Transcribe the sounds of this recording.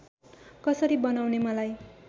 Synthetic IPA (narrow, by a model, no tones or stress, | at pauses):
kʌsʌɾibʌnawnemʌlaj